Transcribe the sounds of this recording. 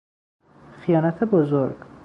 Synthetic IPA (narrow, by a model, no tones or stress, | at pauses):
xijɒːnæt̪ʰebozoɾɡ̥